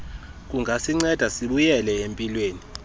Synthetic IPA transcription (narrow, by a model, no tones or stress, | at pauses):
k̬ʼuŋʱasiŋ͡ǀɛd̥ʱasiɓujɛlɛempʼilweːni